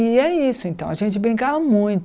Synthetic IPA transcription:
ɪɛisʊẽnt̪ɐ̃aʒẽnt͡ʃɪbɾĩŋkavɐmũj̃t̪

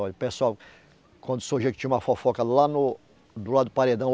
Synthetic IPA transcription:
ɔʎɐpesuaw | kwɐ̃nd̪ʊ̥soʒekɪt͡ʃĩɐũmɐfɔfɔkɐlanʊ | d̪ʊlad̪ʊpaɾed̪ɐ̃w̃

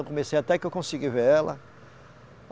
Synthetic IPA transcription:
wkõmesejat̪ɛkɪewkõsiɡiveɾɛlɐ̰

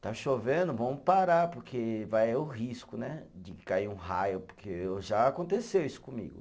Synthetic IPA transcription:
t̪aʃovẽd̪ʊvɐ̃mʊpaɾaɾpʊɾkʰevajɛʊɦiskʊnɛd͡ʒɪɪkaiɾũɦajʊpoɾkʰeʒaːkõnt̪esewisʊ̥kõmḭɡʊ̰

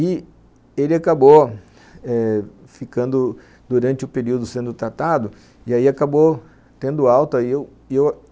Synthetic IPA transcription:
ɪ | elɪakabo | ɛ | fikɐ̃nd̪ʊ | d̪uɾɐ̃nt͡ʃɪʊpeɾiwd̪ʊsẽnd̪ʊt̪ɾat̪ad̪ʊ | ɪaiakabo | t̪ẽnd̪ʊawt̪ɐɪew | ew

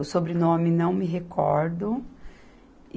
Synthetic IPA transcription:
wsobɾɪnõmɪnɐ̃w̃mɪɦekʰɔɾd̪ʊ

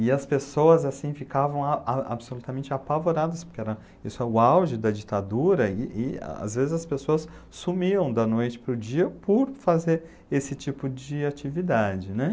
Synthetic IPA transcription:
ɪɐspesowɐzasĩfikavɐ̃w̃aaa̰bsolut̪ɐmẽnt͡ʃɪapavoɾad̪ɐspoɾkʲeɪɛɾɐ̃ | isʊɛʊawʒɪd̪ɐd͡ʒit̪ad̪uɾɐɪʔɪ̰a̰zvezɪzɐspesoɐssumiɐ̃w̃d̪ɐnojt͡ʃɪ̥pɾʊd͡ʒiɐpoɾfazeɾ | esɪt͡ʃipʊd͡ʒɪat͡ʃivid̪ad͡ʒɪnɛ

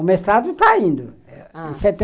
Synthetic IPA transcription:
ʊmest̪ɾad̪ʊt̪aĩnd̪ʊ | ɛset̪ẽ

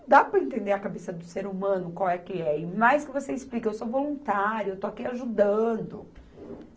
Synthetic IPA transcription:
d̪apɾɐẽnt̪ẽnd̪eɾɐkabesɐd̪ʊseɾumɐ̃nʊkwawɛkɪɛɪmajskɪvoseɪsplikɐewsovolũnt̪aɾjʊewt̪oakiaʒud̪ɐ̃d̪ʊ

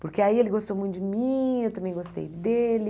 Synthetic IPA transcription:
pʊɾkeaielɪɡost̪owmũj̃t̪ʊd͡ʒɪmĩewt̪ɐ̃mbẽj̃ɡost̪ḛjd̪elɪ

